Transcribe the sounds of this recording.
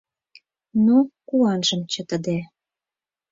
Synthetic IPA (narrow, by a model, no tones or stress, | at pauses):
nokuɑnʒə̆mt͡ɕə̆t̪ə̆d̪e